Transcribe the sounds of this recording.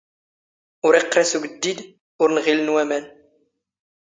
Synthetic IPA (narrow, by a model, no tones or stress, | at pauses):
ʊɾiqːɾesuɡəd̪ːid̪ | ʊɾnʁilənwæmæn